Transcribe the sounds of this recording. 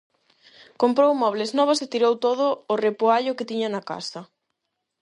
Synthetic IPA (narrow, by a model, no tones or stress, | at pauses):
kompɾowmɔβ̞leznɔβ̞aset̪iɾowt̪oð̞ʊːrepoaʎʊkɪt̪iɲɐnaka̰sɐ